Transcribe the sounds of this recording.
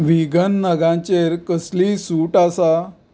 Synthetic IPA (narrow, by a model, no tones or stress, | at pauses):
ʋiɡənːəɡãt͡ɕeɾkəslisuʈasa